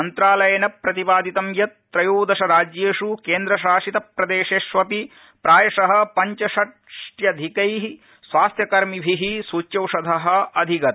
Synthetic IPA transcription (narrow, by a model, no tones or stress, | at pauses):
ɐnt̪ɾaːlɐjɐnɐpɾɐt̪ibaːd̪it̪ɐmjɐt̪ːɾɐjuːd̪ɐʃɐɾaːd͡ʒjeːʂukeːnd̪ɾɐʃaːʃit̪ɐpɾɐd̪eːʃeːʃʋɐpi | pɾaːjɐʂɐɦɐ̆pɐɲt͡ʃɐʃɐʈ | ʂʈjɐd̪ʱikɐjɦi | sʋaːst̪ʰjɐkɐɾmibʱiɦisuːt͡ʃjɐwʂɐd̪ʱɐɦɐ̆ɐd̪ʱiɡɐt̪